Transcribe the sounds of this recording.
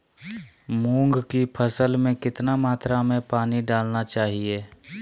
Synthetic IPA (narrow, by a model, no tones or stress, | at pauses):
mũːŋɡkipʰəsəlmẽkɪt̪namaːt̪ɾamẽpaːniɖaːlnat͡ʃaːɦieː